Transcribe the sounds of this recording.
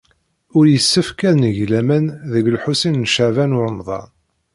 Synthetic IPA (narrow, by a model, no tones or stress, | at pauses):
ʊɾjəsːəfkæðnəʝlæmænðəɡlħusinnʃaʕvænʊɾəmðˤɑ̰n